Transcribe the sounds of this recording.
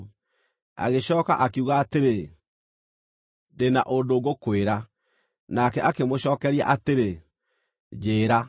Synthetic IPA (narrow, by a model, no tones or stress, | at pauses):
a̰ɣeɕɔːka̰ʔakeuɣaːteɾe | dena̰ʔondoːɣokweɾa | nakɛʔakemoɕɔːkɛɾia̰ʔateɾe | d͡ʑeːɾa